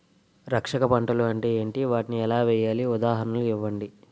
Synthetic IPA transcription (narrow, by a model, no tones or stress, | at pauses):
ɾɐkʂɐkɐpɐɳʈɐluɐɳʈeːeːɳʈiʋaːʈiniɛlaːʋɛːjaːliud̪aːɦɐnɐluiʋːɐɳɖi